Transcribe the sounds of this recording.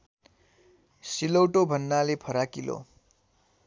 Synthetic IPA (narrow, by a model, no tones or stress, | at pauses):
silowʈobʱʌnːalepʰʌɾakilo̰